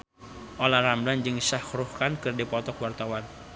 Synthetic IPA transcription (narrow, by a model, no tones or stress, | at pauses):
ʔolarambland͡ʒɨŋsahɾuhkankɨrdipɔt̪ɔkwart̪awan